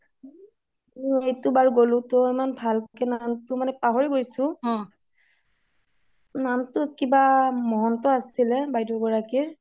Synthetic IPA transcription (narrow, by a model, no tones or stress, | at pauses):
mɔejtʊbaɹɡolʊ̃toimanbʱalkkɛnantʊmanɛpaɦoɹiɡojsʊ̃ɔ̃ | namtʊkibamɔɦɔntɔasilɛbajdɔɡɔɹakiɹ